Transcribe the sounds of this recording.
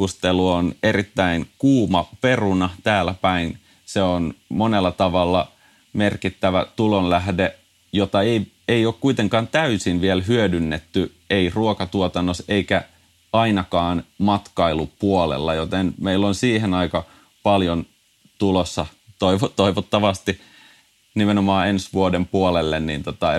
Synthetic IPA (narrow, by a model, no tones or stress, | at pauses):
ust̪eluoneɾit̪ːæinkuːmɑpe̞runɑt̪æːlæpæin | seonmonelːɑt̪ɑʋɑlːɑ | merkit̪ːæʋæ̰t̪ulonlæhde | jot̪ɑei | eioːkkuit̪eŋkɑːnt̪æysinʋielɦyødynːet̪ːy | eiruokɑt̪uot̪ɑnːoseikæ | ɑinɑkɑːnmɑt̪kɑilupuolḛlːɑjot̪enmeilːonsiːhenɑikɑ | pɑljon | t̪ulosːɑt̪oiʋot̪oiʋot̪ːɑʋɑst̪i | nimenomɑːensʋuodempuolelːenːint̪ot̪ɑ